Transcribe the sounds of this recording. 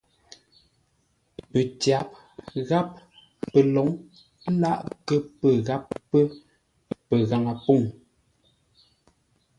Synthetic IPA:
pə˨tja˨˦p̚ | ɣa˦p̚ | pə˨lɔ˨˦ŋ˦ | la˦˨ʔkə˦pə˨ɣa˨˦p̚ːə˦ | pə˨ɣa˨ŋa˨po˦˨ŋ

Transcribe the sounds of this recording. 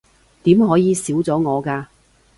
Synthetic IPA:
t̪iː˨˥mɦɔː˨˥jiː˨˧siː˨˥wt͡sɔː˨˥ŋɔː˨˧kaː˧

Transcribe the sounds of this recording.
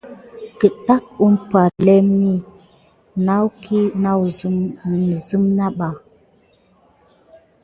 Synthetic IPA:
kə˨ɗa˦k̚u˦mpa˨lɛ˦mi˦ | na˦wkʰi˦na˦wzm˨zɨ˦mna˦ɓa˨

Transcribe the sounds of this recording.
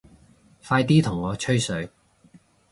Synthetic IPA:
faː˧jt̪̬iː˥t̪ʰʊ˨˩ŋːɔː˨˧t͡ʃʰɵ˥ɥsɵ˨˧ɥ

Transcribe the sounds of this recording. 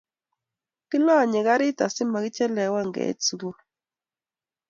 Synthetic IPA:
ki˦lɔ˦˨ɲɛ˨ka˦ɾɪ˦ta˨sɪ˦ma˨ɣɪ˦t͡ʃɛ˦lɛ˨˦wa˦˨ŋɡɛ̰˨˦t͡su˨ɡo˦

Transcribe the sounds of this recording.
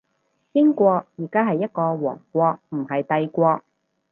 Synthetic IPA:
kɪ˥ŋkʷɔː˧k̚jiː˨˩kaː˥ɦɐ˨jːɐ˥t̚kɔː˧wɔ̰ː˨˩ŋkʷɔː˧k̚m̩˨˩ɦɐ˨jt̪ɐ˧jkʷɔː˧k̚

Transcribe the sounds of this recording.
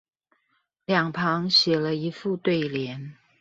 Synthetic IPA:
ljɑ˨˩ŋpʰɑ˧˥ŋɕɥɛ˨˩lə˦i˧˥fu˥˧t̪we˥˩ɪljɛ˧˥n

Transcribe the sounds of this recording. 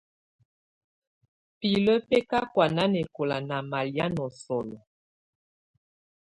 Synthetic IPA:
pi˨lə˦pɛ˦ka˦kwa˨na˦nɛ˨ko˨la˨na˨ma˨lja˦nɔ˨sɔ˨lɔ˨

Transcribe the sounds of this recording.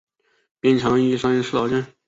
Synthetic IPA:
pjɛ˥˩nt͡ɕʰɑ˧˥ŋi˥˩ʂɑ˥ŋɛ˥nʂɻ̩˥˩ɑ˨˧˥t͡ɕa˥˩n

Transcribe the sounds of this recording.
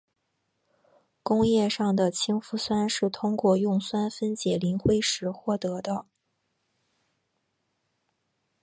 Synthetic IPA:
kʊ˥ŋjɛ˥˧ʂɑ˥˩ŋd̪ə˩t͡ɕʰi˥ŋfu˧˥swa˥nʂɻ̩˥˩t̪ʰʊ˥ŋkwɔ˥˧jʊ˥˩ŋswa˥nfə˥nt͡ɕjɛ˨˩li˧˥nxwe˥ɪʂɻ̩˧˥xwɔ˥˩t̪ɤ˧˥d̪ə˧

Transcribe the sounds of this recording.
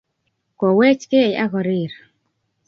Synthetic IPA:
kɔ˨wɛ˦t͡ʃke˦˨ja˦ɣɔ˨ɾi˦˨ɾ

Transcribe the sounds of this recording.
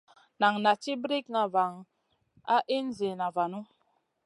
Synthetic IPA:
na˨ŋna˨t͡ʃi˦bɾi˦kna˨va˨ŋ | a˦ʔi˦n˦zi˨na˨va˨nu˦

